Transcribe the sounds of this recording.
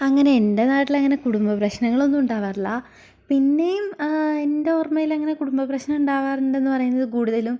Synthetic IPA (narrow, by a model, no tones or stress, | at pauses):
ɐŋːɐne̞endenaːʈːilɐŋːɐnekuɽumbɐprɐɕnɐŋːɐɭo̞nːumuɳɖaːʋaːrilːɐ | pinːe̞jumendeormɐjilɐŋːɐne̞kuɽumbɐprɐɕnɐmuɳɖaːʋaːreɳɖe̞nːɨpɐrɐjunːɐðɨkuːɽuðɐlum